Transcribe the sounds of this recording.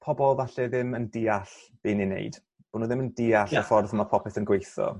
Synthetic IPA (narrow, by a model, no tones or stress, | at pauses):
pʰɔbɔlˠðaɬɛðɪməndiːaɬ | b̥eːninḛjd̥ | b̥ʊnuːðɪməndiːaɬafɔrθəmapʰɔpʰɪsənɡwejθɔ̰